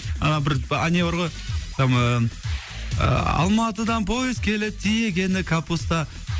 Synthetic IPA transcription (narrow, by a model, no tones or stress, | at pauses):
ɑnɑbɪɾanʲeoɾʁojsɑm | ɑ̰lˠmɑt̪əd̪ɑnpʰoɪzkʲʰe̞lɪt̪ʰijeɡʲe̞nɪkʰapust̪ɑ